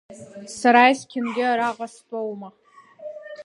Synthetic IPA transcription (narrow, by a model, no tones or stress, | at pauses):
saɾajskʲʰɪmɡʲɪaɾaʁastʼowma